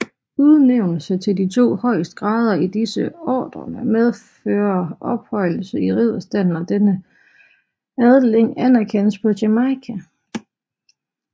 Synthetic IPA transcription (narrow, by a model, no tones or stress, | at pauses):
uðˠneʊnəsət͡sʰe̝ldit͡sʰo̝̰ːhɒ̽ɪ̰sd̥ɡ̥ʁɑ̈ːð̞ˠɐid̥isəɒ̰ːd̥ʁɐ̰næmeð̞ˠføːɐʔɒ̽b̥hɒ̽ɪ̰l̩səiʁið̰ˠɐsd̥æn̰nɒd̥enə | æðˠleŋ̰ænæɐkʰen̰əspʰɒ̽ɕemɑɪkʰæ